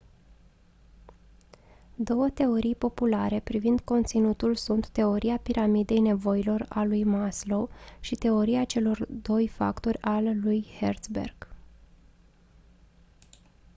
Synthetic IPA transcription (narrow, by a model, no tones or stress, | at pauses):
d̪o̞wət̪e̞o̞ɾijpo̞pulaɾe̞pɾivind̪ko̞nt̪sinut̪ulsunt̪ːe̞o̞ɾiapiɾʔamid̪e̞jne̞vo̞ilo̞ra̰lujmaslo̞ʃit̪e̞o̞ɾiat͡ʃe̞lo̞rd̪o̞jfa̰kt̪o̞ɾʲalːujhert̪sbe̞̰rɡ̥